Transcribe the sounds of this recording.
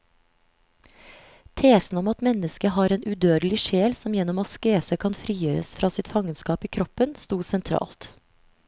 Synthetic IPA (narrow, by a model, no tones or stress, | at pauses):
t̪ʰeːsn̩ɔmɑt̪mɛnəskəhɑːɾeːnʉd̪øːd̪lɪʃeːlsɔmjɛnɔmɑskeːsəkʰɑnfɾiːjøːɾə̰sfɾʔɑːsɪt̪fɑŋənskɑːpiːkʰɾɔpənst̪uːsɛnt̪ʰɾɑ̰ːlt̪